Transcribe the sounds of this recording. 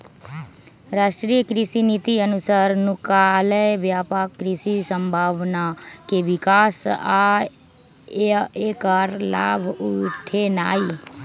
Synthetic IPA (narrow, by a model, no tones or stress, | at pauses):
ɾaːʃʈɾijəkɾɪsinit̪iənʊsaɾnʊkaləjʋjaːpaːkːɾɪsisə̃mbʱaːʋnakeʋɪkaːsa | eːkaɾla̰ːbʱʊʈʰenaːi